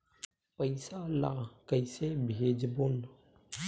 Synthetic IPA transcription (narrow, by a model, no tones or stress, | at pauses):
pəɪsalaːkəɪsebʱeːd͡ʒboːl